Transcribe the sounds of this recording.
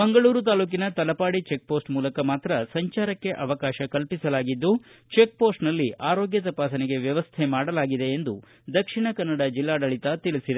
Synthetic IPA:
bɐŋɡɐɭuːɾut̪̬aːluːk̬inɐt̪ɐlɐpaːɽit͡ʃe̞k̚po̞ːsʈmuːlɐkɐmaːt̪ɾɐsɐɲt͡ʃaːɾɐkːe̞ʔɐʋɐkaːʃɐkɐlpisɐlaːɡid̪ːut͡ʃe̞k̚po̞ːsʈnɐlːiʔaːɾo̞ːɡjɐt̪ɐpaːsɐneɡe̞ʋjɐʋɐst̪ʰemaːɽɐlaːɡid̪e̞ːnd̪u | d̪ɐkʂiɳɐkɐnːɐɽɐd͡ʒilːaːɖɐɭit̪ɐt̪iɭisid̪e

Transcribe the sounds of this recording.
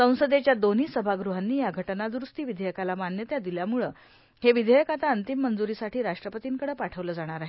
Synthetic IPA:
sə̃w̃səd̪et͡ɕjad̪oniːsəbʱaɡɾuɦanːiːjaɡʱəʈənad̪ɾust̪iːʋid̪ʱəjəkalamanjət̪jad̪iljamuɭəː | heʋid̪ʱəjəkat̪aənt̪imːənd͡zuɾisaʈʰiːɾaʂʈɾəpət̪iːŋkəɽəːpaʈʰəʋləːd͡zaɽ̃aɾaɦe

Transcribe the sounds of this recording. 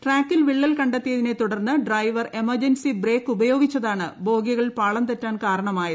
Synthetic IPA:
ʈraːkːilʋiɭːɐlkɐɳɖɐt̪ːijɐðine̞t̪uɽɐrnːɨɖrɐjʋɐre̞mɐrd͡ʑɐnsibre̞ːkːubɐjo̞ːɡit͡ɕːɐðaːɳɨbo̞ːɡjɐɣɐɭpaːɭɐmt̪ɐtːaːnkaːɾɐɳɐmaːji

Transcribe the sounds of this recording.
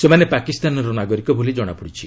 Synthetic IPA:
semanepakist̪anɔɾɔnaɡɔɾikɔbolid͡ʒɔɽ̃a̰puɽit͡ʃʰi

